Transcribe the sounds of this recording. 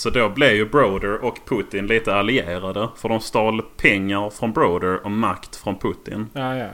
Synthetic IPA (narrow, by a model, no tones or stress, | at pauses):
sɔd̪oblɛvjɵbɾoːd̪əɾɔkpʰʊt̪ɪnliːt̪əalɪeːɾad̪əfœɖɔmst̪ɑːlpʰɛŋːaɾfɾɔnbɾod̪əɾɔmːakt̪fɾɔnpʰɵt̪ɪ̰n